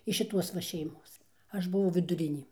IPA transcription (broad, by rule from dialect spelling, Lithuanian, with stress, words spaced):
ɪʃ ʃʲɪˈtuɔs ʋɐ ʃʲɛɪˈmoːs ˈɐʃ bʊˈʋɐʊ ʋʲɪdʊˈrʲɪnʲeː